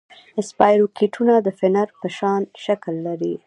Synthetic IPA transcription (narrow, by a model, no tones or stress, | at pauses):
ɪspɑjɾokʰiʈʰunad̪əfɪnaɾpəʃɑnʃaklːaɾi